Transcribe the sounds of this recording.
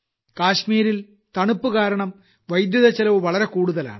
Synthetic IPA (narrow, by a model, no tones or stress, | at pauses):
kaːɕmiːɾil | t̪ɐɳupːukaːɾɐɳɐm | ʋɐjd̪juðɐt͡ɕːɐlɐʋɨʋɐɭɐɾe̞kuːɽuðɐla̰ːɳɨ